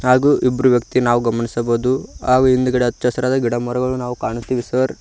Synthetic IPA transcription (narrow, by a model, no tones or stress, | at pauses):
ɦaːɡuːʔibɾuʋjɐkt̪inaːʋuɡɐmɐnisɐboːd̪uɦaːɡuind̪ɐɡɐɽeɐt̪ːt͡ʃɐsɐɾaːd̪ɐɡiɽɐmuɾɐɡɐɭunaːʋukaːɳist̪iːʋisɐʋɐɾ